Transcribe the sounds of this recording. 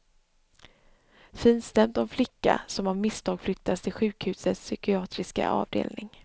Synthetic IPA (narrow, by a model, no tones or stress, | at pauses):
fiːnst̪ɛmt̪ɔnflɪkːa̰sɔmavmɪst̪ʰɑːɡ̥flʏk̚t̪ʰːast̪ʰɪlɧʉ̟ːkhʉ̟ːsət̪sːʏkɪɑːt̪ɾɪska̰ʔɑ̰ːvd̪ḛːlnɪŋ